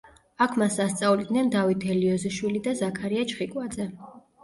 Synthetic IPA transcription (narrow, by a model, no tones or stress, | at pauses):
akʰmasast̪sʼavlid̪nɛnd̪avit̪ʰɛliɔzɛʃwilid̪azakʰaɾiat͡ʃʰχikʼwad̪zɛ